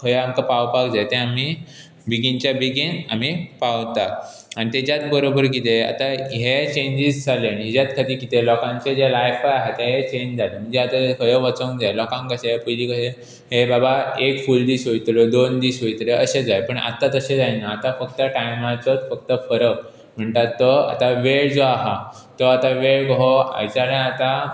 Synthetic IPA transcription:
kʰəjəamkapawpakd͡zaet̪ẽami | biɡint͡ɕjabiɡinam̤ipawt̪a | añit̪et͡ɕjat̪bəɾobəɾk̬it̪ea̰t̪aɦet͡ɕẽɲd͡ʑisd͡zaleaniɦid͡ʑat̪kʰat̪iːɾkit̪elɔkãɲt͡ɕed͡ʑelajfajaɦet̪eɦet͡ɕẽɲd͡ʑd͡zalem̤əɳd͡zeat̪akʰəjəʋət͡sə̃ŋd͡zajelɔkãŋkəsepujliːkəse | ɦebabaekfuld̪iːsɦoit̪ɾed̪ond̪iːsɦoit̪əɾeəɕed͡zajpəɳa̰t̪at̪əɕed͡zajnaːt̪afəkt̪əʈajmat͡sət̪fək̚t̪əfəɾə | m̤əɳt̪at̪ːɔa̰t̪aʋeɭd͡zoaɦa | t̪ɔat̪aʋeɭɡəɦoa̰t͡ɕaɽẽat̪a

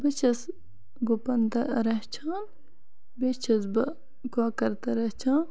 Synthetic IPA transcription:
bɐt͡ʃʰɐs | ɡopɐnd̪ɐɾɐɦt͡ʃʰaːn | bet͡ʃʰɐsbɐ | ɡaːkɐɾt̪ɐɾɐht͡ʃʰaːn

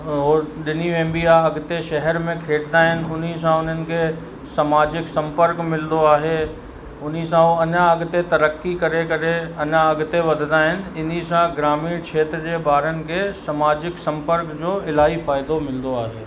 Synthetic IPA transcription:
ɦoɗɪniʋẽːmbiaɐɡt̪eʃɐɦɛɾmẽkʰeːɽd̪aːɦɪnɪ̆ʊn̤is̬ãʊn̤ənɪ̆kʰe | sɐmaːd͡ʑɪksɐ̃mpəɾkmɪld̪oaːɦe | ʊn̤is̬ãoɐɲaɐɡt̪et̪ɐɾəkːikɐɾekɐɾeɐɲaɐɡt̪eʋɐd̪ʱd̪aːɦɪnɪ̆ɪn̤isãɡɾaːmiːɽ̃kʰeːt̪ɾd͡ʑeːbaːɾənɪ̆kʰesɐmaːd͡ʑɪksɐ̃mpəɾkd͡ʑoːɪlaːifaːɪd̪omɪld̪oaːɦeː

